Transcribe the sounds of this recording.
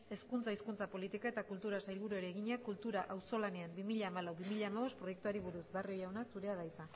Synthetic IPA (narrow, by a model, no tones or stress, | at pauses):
e̞skunt͡saiskunt͡sapo̞lit̪ikae̞t̪akult̪uɾasajlβuɾuoeɾeɣiɲakult̪uɾaʔawso̞lane̞ambimiʎaːmalawβimiʎaːmaβ̞o̞st̪pɾo̞je̞k̚t̪uaɾiβ̞uɾusbearjojawnasuɾe̞að̞ajt͡sa